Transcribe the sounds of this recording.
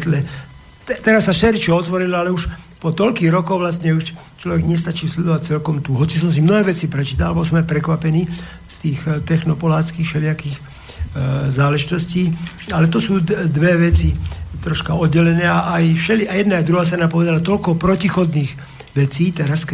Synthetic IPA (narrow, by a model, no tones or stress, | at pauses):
t̪lɛ | t̪ɛt̪ɛɾasːaʃɛɾit͡ʃɔɔt̪ʋɔɾilalɛuʃ | pɔt̪ɔʎkiːɣɾɔkɔʊʋlast̪ɲɛuʃ | t͡ʃlɔʋɛɡɲɛst̪at͡ʃiːslɛd̪ɔʋac̚t͡sɛlkɔmt̪uɦɔt͡sisɔmsimnɔɦɛːʋɛt͡sipɾɛt͡ʃiːt̪allbɔs̬ɔmajpɾɛkʋapɛniː | st̪iːxt̪ɛxnɔpɔlaːt͡skiːxfʃɛlɪakiːx | zaːlɛʒit̪ɔsciː | alɛt̪ɔsuːd̪ʋɛʋɛt͡sit̪ɾɔʃkaɔd̪̚ɟɛlɛnɛːaʔajfʃɛliajɛd̪naajd̪ɾuɦaːst̪ɾanapɔʋɛd̪alat̪ɔlkɔpɾɔcixɔd̪niːɣ | ʋɛt͡siːt̪ɛɾas